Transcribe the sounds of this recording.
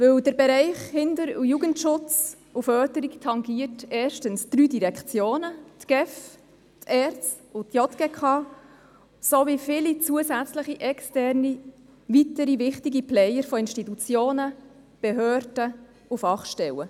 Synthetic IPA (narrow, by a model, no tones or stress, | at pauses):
vɵwdəɾbɛɾɛɪχhɪndəɾujuɡəntʃʊt͡s | ufœːtəɾiktʰɑŋɡiətɛːʃtənsd̥ɾyːdiɾɛkt͡sjoːnətɡ̥ɛf | tʰɛːɾt͡s | ʊtjɔt̪ɡ̥eːkʰɑː | soʋifɪlit͡suəsæt͡sləχiʔɛkstɛrni | ʋitəɾivɪχtiɡiplɛjəɾfɔɪnʃtit̪ut͡sjoːnə | b̥eɦøːɾd̥ə | ufɑχʃtɛwə